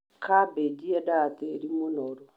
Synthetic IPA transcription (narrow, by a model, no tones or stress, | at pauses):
kʰabed͡ʒiɛdateɾimonɔɾɔ